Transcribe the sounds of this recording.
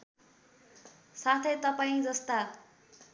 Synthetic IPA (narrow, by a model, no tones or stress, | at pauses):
sat̪ʰet̪ʌpaĩd͡zʌst̪a